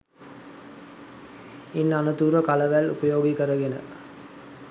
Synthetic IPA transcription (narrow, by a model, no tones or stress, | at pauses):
inːanɐd̪uːɾʋəkalɐʋælṵpɐjoːɡikəɾɐɡenə̰